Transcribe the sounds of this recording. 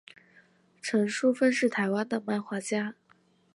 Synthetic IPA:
ʈ͡ʂʰɤ˧˥ŋʂu˥fə˥nʂɻ̩˥˩t̪ʰa˧˥ɪwa˥nd̪ə˨pa˥˩nxwa˥t͡ɕja˥

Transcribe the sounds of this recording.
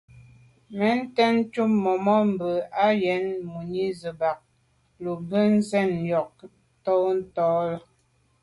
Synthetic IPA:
mɛ˨˦n̩˦tɛ˦n̩˦t͡ʃu˦mmɔ˨mɔ˦m̩˨bə˨a˦jɛ˨˦nmu˨ɲi˦zə˨ba˨k̚ | lu˨bə˦n̩˦zɛ˦˨njɔ˨k̚ | tɔ˦n̩˦tɔː˨˦lə˦

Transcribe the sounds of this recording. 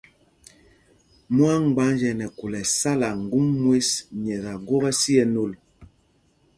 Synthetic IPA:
mwa˦ŋ̩˨ɡ͡ba˨˦nd͡ʒɛ˨nɛ˨ku˨lɛ˨sa˦la˨ŋ˨ɡu˦mːwe˦sɲɛ˨ɣa˨ɡo˦ɣɛ˦si˦ɛ˦no˦˨l

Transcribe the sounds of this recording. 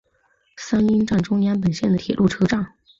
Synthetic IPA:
sa˥ni˥nʈ͡ʂa˥˩nʈ͡ʂʊ˥ŋjɛ˥np̬ə˨˩nɕjɛ˥˩nd̪ə˩t̪ʰjɛ˨˩lʔu˥˩ʈ͡ʂʰɤ˥ʈ͡ʂɑ˥˩ŋ

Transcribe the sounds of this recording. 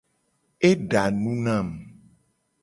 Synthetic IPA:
e˦ɖa˨nũ˦nã˦˨m

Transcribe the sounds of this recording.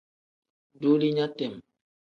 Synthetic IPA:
du˦li˦ɲa˦tɛ˨m

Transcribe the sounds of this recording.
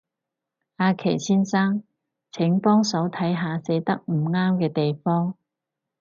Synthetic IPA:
aː˧kʰḛ˨˩jt͡sʰiː˥nsaː˥ŋ | t͡sʰɪ˨˥ŋpɔː˥ŋsɐ˨˥wt̪ʰɐ˨˥jɦaː˨˧se˨˥jt̪ɐ˥k̚m̩˨˩ŋaː˥mkɛː˧t̪e˨jfɔː˥ŋ

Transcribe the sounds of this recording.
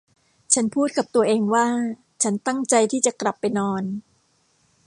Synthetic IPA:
t͡ɕʰa˦˥npʰuː˥˩t̪̚ka˨˩p̚t̪u˧ɐʔeː˧ŋwaː˥˩ | t͡ɕʰa˦˥nt̪a˥˩ŋt͡ɕa˧jt̪ʰiː˥˩t͡ɕa˨˩kla˨˩pːa˧jnɔː˧n

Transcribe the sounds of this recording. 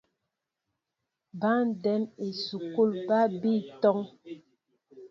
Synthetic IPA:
ba˦n˦˨dɛ˨˦me˨su˨ku˦˨lpa˦bi˦˨tɔ˦ŋ

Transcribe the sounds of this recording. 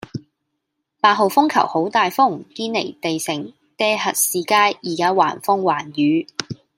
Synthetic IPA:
paː˧t̚ɦo˨wfʊ˥ŋkʰɐ̰˨˩who˨˥wt̪aː˨jfʊ˥ŋkiː˥nlḛ˨˩jt̪e˨jsɪ˨˩ŋ | t̪ɛː˥hɐ˨t̚siː˨˧kaː˥jʔiː˨˩kaː˥waː˨˩nfʊ˥ŋwaː˨˩njyː˨˥

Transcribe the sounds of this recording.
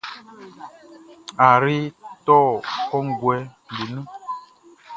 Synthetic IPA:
a˨ɾi˦tɔ˦kɔ˦ŋ̩˨ɡwɛ˨˦n˨bu˨nə˦

